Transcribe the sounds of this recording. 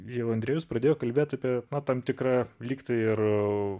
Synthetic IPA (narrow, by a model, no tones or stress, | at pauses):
jɛʊɐnd̪ɾʲeːjʊspɾɐd̪ʲeːjoːkɐlʲbʲeːt̪ʲɐːpʲiɛnɐt̪ɐmt̪ʲɪkrɑːlʲiːkt̪ɐɪr